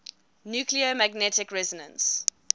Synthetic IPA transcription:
njuːkliəmæɡnɛtɪkɹɛzənə̰̃ns

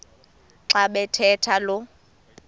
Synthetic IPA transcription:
ǁaɓɛtʰɛtʰalʊ

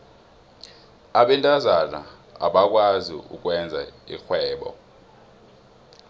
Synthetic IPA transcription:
aɓɛntʼazana̰ | a̰ɓak̬ʼwazḭṵk̬wɛnd͡zʱaḭxwɛːɓɔ̰

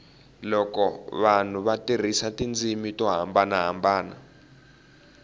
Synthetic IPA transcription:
lɔkɔβan̤uβatʼir̤isatʼind͡zimitʼɔɦa̰mbanaɦambaːna̰

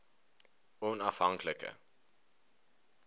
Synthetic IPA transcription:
ɔnɑfɦɐŋkləkə̰

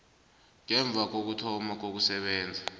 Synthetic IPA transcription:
ŋɛɱb̪vʱak̬ok̬utʰɔmak̬ok̬usɛɓɛːnd͡zʱa

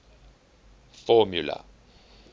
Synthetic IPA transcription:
fɔmjula̰

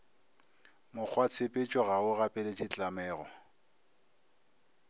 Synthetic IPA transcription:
mʊk͡xʰwat͡sʰɪpʼɪt͡ʃʼɔɣaʊɣapʼɛlet͡ʃʼɪt͡ɬʼamɛːɣɔ

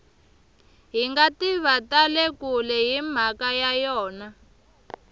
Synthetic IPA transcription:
ɦiŋɡatiβatalɛkulɛɦim̤akajajɔːna

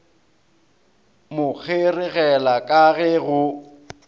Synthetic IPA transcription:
mʊk͡xʰerɪɣɛlakʼaɣɛɣʊ

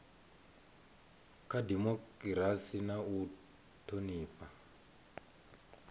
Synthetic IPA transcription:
kʰadimɔkɾasinau | tʰoniːpa

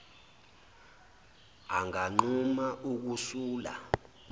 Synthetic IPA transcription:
aŋaŋ͡ǃumaʔuk̬usuːla̰

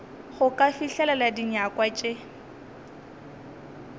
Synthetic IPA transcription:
χʊkʼafiɬɛlaladiɲakwat͡ʃʼe

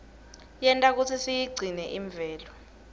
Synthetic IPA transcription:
jɛntʼak̬ut͡sʰisijiɡ͡ǀʱinɛʔiɱb̪vʱɛːlɔ

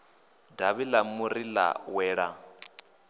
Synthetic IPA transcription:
daβilamuɾila̰wɛːɺa

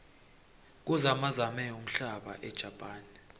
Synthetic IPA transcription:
k̬uzamazamɛum̩ɬaɓa̰ʔɛd̥ʒ̥ʱapʼaːni

